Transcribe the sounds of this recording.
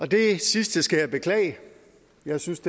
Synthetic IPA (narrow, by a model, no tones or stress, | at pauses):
ɒ̽de̝sisd̥əsɡ̥æjɑ̈ɪb̥e̝kʰlɛ̰ːɪ | jɑ̈ɪsynsd̥e